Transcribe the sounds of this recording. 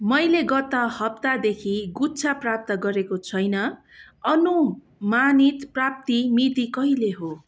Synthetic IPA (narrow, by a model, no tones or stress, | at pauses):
mʌjleɡʌt̪ʌhʌp̚t̪ad̪ekʰiɡut͡sʰaprap̚t̪ʌɡʌɾekot͡sʰʌjnʌ | ʌnu | manit̪prap̚t̪imit̪ikʌɦileɦo